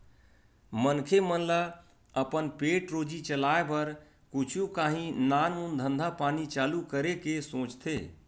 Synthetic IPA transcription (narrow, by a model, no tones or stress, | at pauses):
mənkʰemənla | əpənpeːʈɾoːd͡ʒit͡ʃəlaːebəɾ | kʊt͡ʃʰũkaːɦĩnaːnmund̪ʱə̃nd̪ʱapaːnit͡ʃaːlukəɾekesõːt͡ʃt̪ʰeː